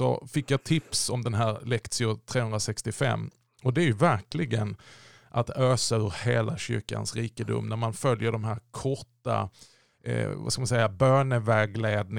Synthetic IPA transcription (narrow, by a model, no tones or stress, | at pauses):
sɔ̰fɪkːjɑt̪ʰɪpsɔmd̪ɛnɦæːɾlɛkt̪sɪʊt̪ʰɾeːhɵnd̪ɾasɛkst̪ɪfɛ̰mː | ɔd̪ɛæɾjɵvæɾklɪɡən | ʔat̪øːsaɵɾheːlaɕʏ̰ɾka̰nsɾiːkəd̪ʊ̰mːnæɾmanfœljəɖɔmɦæːɾkʰɔʈːa̰ | va̰skamansɛjːabœːɳəvæːɡleːd̪̚nɪ